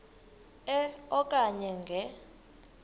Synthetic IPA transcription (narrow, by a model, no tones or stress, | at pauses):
ɛɔkʼaɲɛŋɡʱɛ